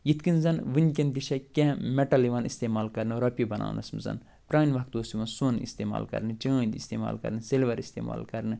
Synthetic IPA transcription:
jit̪ʰkinzɐnʋɨnʲkʲɐnd̪iʃɐkʲẽmeʈɐliʋɐːnist̪eːmaːlkɐɾnɨɾɐpʲibɐnʔa̰ːnɐ̰smɨzɐ̰n | pɾaːnʲʋɐk̚t̪oːsimɐ̃soːnḭst̪eːma̰ːlkɐ̰ɾnɨt͡ʃɐ̃ːnd̪ist̪eːma̰ːlkɐ̰ɾnɨselʋɐɾist̪ḛːma̰ːlkɐɾnɨ

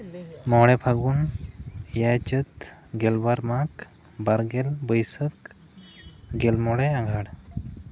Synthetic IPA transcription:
mɔɽɛpʰaɡun | jat͡ʃət̪ɡɛlbaɾmak | baɾɡɛlbəjsək | ɡɛlmɔɽɛaɡʱaɽ

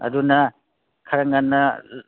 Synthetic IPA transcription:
ɐ̰dunɐ | kʰɐɾɐŋanːɐ

